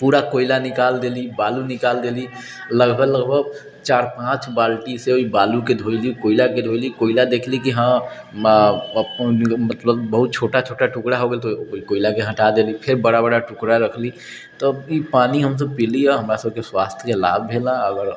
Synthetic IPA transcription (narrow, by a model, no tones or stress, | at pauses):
puːɾakoːɪlanɪkaːld̪eːlibaːlunɪkaːld̪eːli | ləɡbʱəɡləɡbʱəɡ | t͡ʃaːɾpãːt͡ʃbaːlʈiseoibaːluked̪ʱoːilikoːɪlaked̪ʱoːɪlikoːɪlad̪eːkʰlikiɦã | mət̪ləbːəɦʊt̪̚t͡ʃʰoːʈat͡ʃʰoːʈaʈʊkɽaɦoɡt̪oikoːɪlakeɦə̃ʈad̪eːlipʰɪɾbəɽabəɽaʈʊkɽaɾəkʰli | t̪oipaːniɦəms̬epiliɛɦɐmɾasəb̚keswaːst̪ʰəkela̰ːbbʱeːlaəɡəɾ